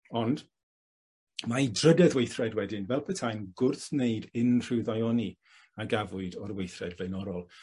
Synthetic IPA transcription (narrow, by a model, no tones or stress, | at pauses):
ɔnd | maidrədɛðwejθrɛdwɛdɪnvɛlˠpʰətʰajnɡʊrθneɨdɪnr̥ɪwðajɔni | aɡavʊɨdɔɾwejθrɛdvlɛnɔɾɔlˠ